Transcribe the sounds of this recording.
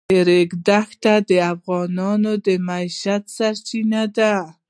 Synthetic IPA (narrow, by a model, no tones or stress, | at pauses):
eɾekd̪axt̪ad̪əafɣɑnɑnod̪əmajʃat̪saɾt͡ʃinad̪a